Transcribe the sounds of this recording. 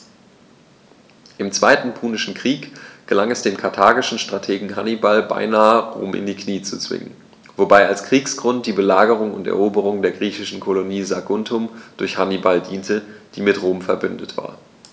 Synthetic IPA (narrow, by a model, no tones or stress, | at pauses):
ʔɪmt͡sv̥aɪtn̩pʰuːnɪʃn̩kʁ̥iːkɡ̥əlaŋɛsd̥eːmkʰaɐtʰaːɡɪʃn̩ʃtʁ̥atʰeːɡŋ̩ɦanibalba̰ɪnaːəʁoʊ̰ːmʔɪ̰ndiːkʰniːt͡sut͡sv̥ɪ̰ŋə̰n | vobaɪalskʁ̥iːksɡ̥ʁʊnt̚d̥iːbəlaːɡəʁ̞ʊŋʊ̰ntɛ̰ɐʔoːbəʁ̞ʊŋdeːɐɡʁiːçɪʃn̩kʰoloniːzaɡʊntʰʊmd̥ʊɐçhanibaldiːntəd̥ḭːmɪtʁoːmfɛɐbʏndətv̥a̰ːɐ